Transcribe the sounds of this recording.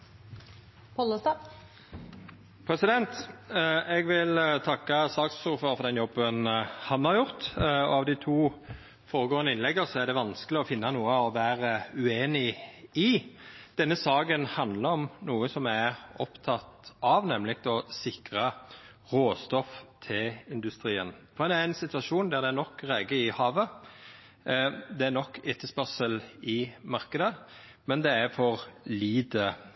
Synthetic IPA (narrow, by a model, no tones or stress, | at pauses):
pʰɔləst̪ɑ | pʰɾɛsɪd̪ɛnt̪ | ɛɡʋɪlt̪ʰɑkːɑsɑːksʊɾføːɾəfɔʁd̪ɛnjɔbːənhɑmhɑɾjʊʁt̪ɔ̰ɑʋd̪ɪt̪ʰuː | foːɾəɡoːənəɪnlɛɡːəsɔæʁd̪ɛʋɑnskəlɪɔfɪnːɑnuːəɔʋæːɾəʉeːnɪɪd̪̥ɛnːəsɑːɡənhɑnd̪ləɾɔmnuːəsɔmæʁɔ̰pt̪ʰɑt̪ɑʋnɛmlɪkt̪ɔsɪkɾɑ | ʁoːst̪ɔft̪ʰɪlɪnd̪ʉst̪ɾiːə̰nfɔɾd̪ɛd̪ɛææɪnsɪt̪ʉɑʃuːnd̪æʁd̪ɛænɔkːɾæːɡəɪhɑːʋə | d̪ɛæɾnɔkːeːt̪ʰːəspœʁsəlɪmɑɾkəd̪ə | mɛnd̪ɛæɾfɔʁliːd̪ə